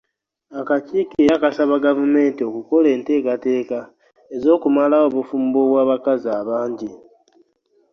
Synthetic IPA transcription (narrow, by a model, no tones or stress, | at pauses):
akaciːkieɾakasaβaɡavume̞ːntio̞kuko̞le̞ːnte̞ːkate̞ːka | ezo̞ːkumalao̞βufuːmboβwaːβakazaːβaːɲɟi